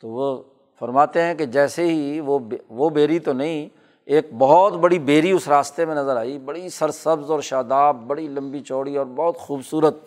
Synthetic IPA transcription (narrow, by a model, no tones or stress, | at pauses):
t̪oːʋo | fɐɾmaːt̪eɦɛ̃ked͡ʒɛːseɦiʋobʋobeːɾit̪onɐɦĩ | eːk̚bɔɦt̪bɐɽibeːɾiʊsɾaːst̪emẽnɐzəɾaːibɐɽisɐɾsɐbzɔːɾʃaːd̪aːb̚ːɐɽilɐ̃mbit͡ʃoːɽiɔːɾbɔːt̪xuːbsuːɾət̪̚